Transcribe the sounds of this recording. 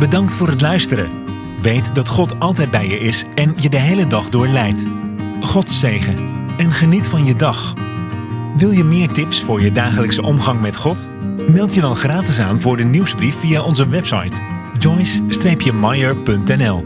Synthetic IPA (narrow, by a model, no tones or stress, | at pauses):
bədɑŋktfʊːɾɦətlœɥstəɾə̰ | ʋejtdɑtχɔtɑlˠtɛjd̚bɛjəʔɪsɛnjədəɦejlədɑχdʊːɹlɛjt | χɔtsejχəɛnχənitfɑnjədɑχ | ʋɪlˠjəmɪːɹtɪpsfʊːɹjədaːχələksəʔɔmχɑŋmɛtχɔt | mɛlˠtjədɑnχraːtɪsaːnvʊːɹdəniwzbrifːijaʔɔnzəʋɛpsɑ̰jt | d͡ʒɔjsːtrejpjəmɑjəɹpɵntɛnɛlˠ